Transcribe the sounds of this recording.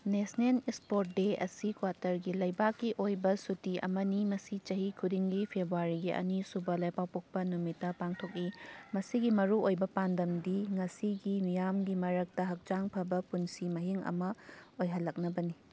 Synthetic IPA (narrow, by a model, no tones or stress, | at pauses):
nesnelispot̚deɐ̰sikwatɐɾɡilɐjbakːiʔojbɐsutiʔɐ̰mɐnimɐsit͡ʃɐɦikʰudiŋɡipʰebɾuaɾiɡiʔɐ̰nisubɐlajpawpok̚pɐnumitːɐpaŋtʰok̚limɐsiɡimɐɾuojbɐpandɐmdiŋɐsiɡimijamɡimɐɾɐk̚tɐɦɐk̚d͡ʒaŋpʰɐbɐpunsimɐɦiŋɐ̰mɐojɦɐlːɐk̚nɐbɐni